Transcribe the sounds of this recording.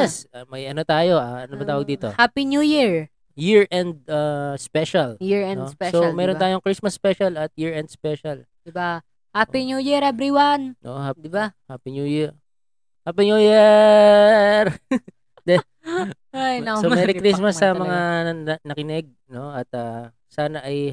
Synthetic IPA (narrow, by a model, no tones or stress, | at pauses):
ɛsmɐjʔɐnot̪aːjo̞ʔaʔɐnobɐt̪aːwɐɡ̚d̪iːt̪o̞hapinjujiɹ | jiɹʔɛnd̪̚aspɛʃɐljiɹɛspɛsomɛːɾont̪aːjoŋkɾismɐspɛʃɐlɐt̪̚jiɹɛnd̪spɛʃɐl | d̪ɪba | hapiɲjujiɾɛbɾiwanʔo̰ʔohad̪ɪbahaːpinujiɹ | hapiɲujɛ | ɾ | d̪ɛ | ajnsommɛːɾɪkɾismɐsːɐmɐŋanɐkɪnɛɡ̚no̞ɐt̪̚ɐ | saːnɐʔɐj